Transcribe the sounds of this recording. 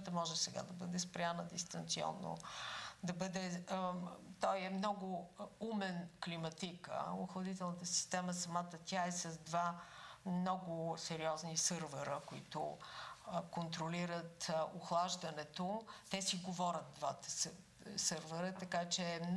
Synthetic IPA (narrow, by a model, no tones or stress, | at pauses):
t̪əmɔʒɛsɛɡa̰d̪ɐbəd̪ɛspɾʲanəd̪ist̪ɐnt̪siɔ̰nːo̰d̪ɐbɤd̪ɛ | t̪ɔjɛmnɔɡʊumɛnklimɐt̪ikə̰ʊxlˠəd̪it̪ɛlˠnət̪əsi̥st̪ɛməsɐmat̪ət̪ʲaɛsɐzd̪vamnɔɡʊsɛɾiɔznisɤɾvɛɾəkoḭt̪ʊ | kont̪ɾoliɾət̪ʊxlˠaʒd̪ɐnɛt̪ot̪ɛsiɡovɔɾʲət̪̚d̪vat̪ə̥s | sɤɾvɛɾət̪ɐkat͡ʃɛːm